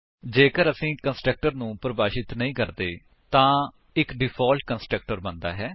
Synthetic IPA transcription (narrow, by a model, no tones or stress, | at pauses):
d͡ʒeːkəɾəsĩːkənsʈɾək̚ʈəɾnũːpɾəbaːʃɪt̪nəĩːkəɾd̪eː | t̪ãː | ɪkɖɪpʰɔːlʈkənsʈək̚ʈəɾbənd̪a̰ːɦɛː